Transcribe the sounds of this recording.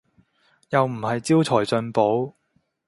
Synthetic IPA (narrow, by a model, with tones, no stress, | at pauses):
jɐ˨wm̩˨˩hɐ˨jt͡siː˥wt͡sʰɔː˨˩jt͡sɵ˨˧npo˨˥w